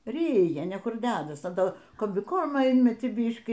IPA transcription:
ˈrʲiːjɛ nʲɛ ˈkʊr ˈdʲæːdɐs ɐ ˈtoː koːmʲbʲɪˈkoːrmoː ˈɪnʲmʲɛtʲiː ˈbʲiːʃʲkʲiː

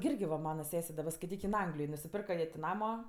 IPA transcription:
ɡʲɪ ˈɪrʲɡʲɪ ʋɐ ˈmɑːnɐ ˈsʲæːsʲɛ dɐˈbɐ skɐɪˈtʲiːk ɪn ˈɐŋɡlʲɪjoːj nʊsʲɪˈpʲɪrkɐ jiɛ tʲɪ ˈnɑːmoː

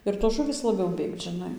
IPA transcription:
ɪr toːs ˈʒʊʋʲiːs lˠɐˈbʲɛʊ ˈbʲeːkt ʒʲɪˈnɐɪ

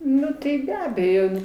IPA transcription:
ˈnʊ tɐɪ bʲɛ ˈɑːbʲɛjoː

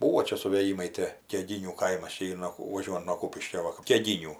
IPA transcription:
ˈbuːʋoː ˈt͡ʃʲɛ sʊʋʲeːˈjiːmɐɪ ˈtʲeː kʲɛˈɡʲɪnʲuː ˈkɐɪmɐs ˈt͡ʃʲɛ ˈiːr noː ʋɐˈʒʲuɔjʊnt nuɔ ˈkuːpʲɪʃʲkʲoː ˈʋɐ kɐp kʲɛˈɡʲɪnʲuː

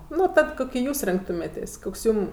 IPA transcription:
ˈnʊ ˈtɐt ˈkʊkʲɪ ˈjuːs ˈrʲɪŋktʊmʲeːtʲeːsʲ ˈkoːks ˈjuːm

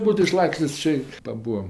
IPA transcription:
ˈbuːtʊ ɪˈʃlˠɑːksʲtʲeːsʲ ˈt͡ʃʲeː pɐˈbuːɐm

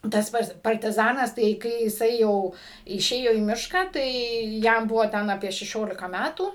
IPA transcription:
ˈtɐs ˈpɐts pɐrʲtʲɪˈzɑːnɐs tɐɪ ˈkɐɪ jɪˈsɐɪ ˈjɛʊ ɪˈʃʲeːjoː iː ˈmʲɪʃkɑː ˈtɐɪ ˈjɛm ˈbʊʋoː ˈtʲɛn ɐˈpʲiɛ ʃʲɛˈʃʲoːlʲɪkɐ ˈmʲætuː

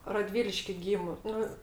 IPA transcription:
rɐˈdʲʋʲiːlʲɪʃʲkʲɪ ˈɡʲiːmʊ ˈnʊ

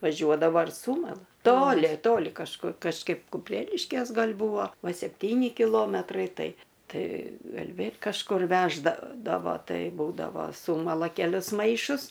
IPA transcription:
ʋɐˈʒʲuɔdɐʋoː ɪr ˈsuːmɐlˠɐ ˈtoːlʲɪ ˈtoːlʲɪ kɐʃˈkʊr kɐʃˈkɐɪp kʊˈpʲrʲæːlʲɪʃʲkʲeːs ˈɡɐlʲ ˈbuːʋoː ˈʋɐ sʲɛpʲˈtʲiːnʲɪ kʲɪˈlˠoːmʲɛtrɐɪ ˈtɐɪ ˈtɐɪ ˈɡɐlʲ ˈʋʲeːlʲ kɐʃˈkʊr ˈʋʲæːʒdɐdɐʋoː ˈtɐɪ ˈbuːdɐʋoː ˈsuːmɐlˠɐ kʲɛˈlʲʊs ˈmɐɪʃʊs

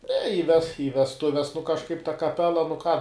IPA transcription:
nʲɛ ɪ ʋʲɛs ɪ ʋʲɛsˈtʊʋʲɛs nʊ kɐʃˈkɐɪp tɐ kɐˈpʲæːlˠɐ nʊ kɑː

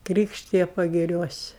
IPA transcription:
ˈkrʲiːkʃʲtʲɪjɛ pɐɡʲɪˈrʲuɔsʲɪ

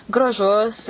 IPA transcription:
ɡrɐˈʒʊs

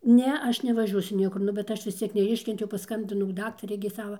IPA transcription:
ˈnʲɛ ˈɐʃ nʲɛʋɐˈʒʲuɔsʲʊ ˈnʲiɛkʊr ˈnʊ bʲɛt ˈɐʃ ʋʲɪs ˈt͡sʲiɛk nʲɛˈɪʃʲkʲɛnʲtʲɛʊ pɐˈskɐmʲbʲɪnɐʊ ˈdɑːktɐrʲɛɪ ɡʲɪ ˈsɑːʋɐ

